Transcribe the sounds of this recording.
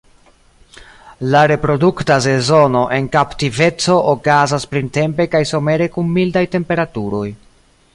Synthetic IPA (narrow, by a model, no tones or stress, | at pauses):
laɾe̞pɾo̞duktas̬e̞zo̞no̞ʔe̞nkaptive̞t͡so̞ʔːkazaspɾinte̞mpe̞kajsome̞ɾe̞kunmildajte̞mpe̞ɾatuɾo̞j